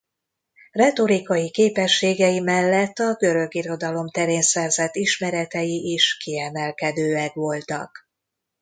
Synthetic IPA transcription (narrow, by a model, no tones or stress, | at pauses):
rɛt̪o̞ɾikɒjikeːpɛʃːeːɡɛjimɛlːɛt̪ːɒɡø̞ɾø̞ɡiɾo̞d̪ɒlo̞mt̪ɛɾeːnsɛrzɛt̪ːiʃmɛɾɛt̪ɛjiʔiʃkiɛmɛlkɛd̪øːɛkʋo̞lt̪ɒ̰k